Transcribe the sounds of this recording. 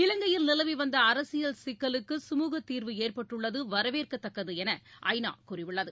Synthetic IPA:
ɪlɐŋɡɐjɪlnɪlɐʋiʋɐnd̪ɐːɾɐsɪjɐlsɪkːɐlɯkːɯsʊmuːɣɐt̪ːiːɾʋɯeːrpɐʈːɯɭːɐðɯʋɐɾɐʋeːrkɐt̪ːɐkːɐðɯɛnɐʔɐ̰ɪna̰ːkʊrɪʋɪɭːɐðɯ

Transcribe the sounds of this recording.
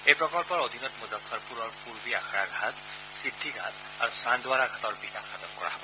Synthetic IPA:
ejpɹɔkɔlpɔɹod̪ʱinɔtmuzapʰːɔɹpuɹɔɹpuɹbiaxʰaɹaɡʱat | sidʱːiɡʱat | aɹusandwaɹaɡʱatɔɹbikaxat̪ɔpkɔ̰ɹa̰ɦɔbɔ

